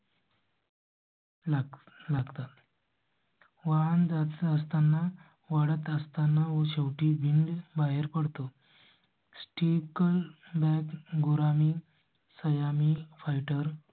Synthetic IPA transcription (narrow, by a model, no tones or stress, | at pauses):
laɡt̪at̪ | ʋaand͡zat̪əst̪anːa | ʋaɽət̪əst̪anːaʋoɕewʈiːbʱiɳɖbaɦeɾpəɽt̪o | sʈikəlbɛkɡoɾami | səjamifajʈəɾ